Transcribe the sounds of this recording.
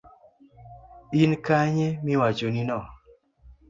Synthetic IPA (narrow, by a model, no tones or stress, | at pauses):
inkaɲemiwat͡ʃoninɔ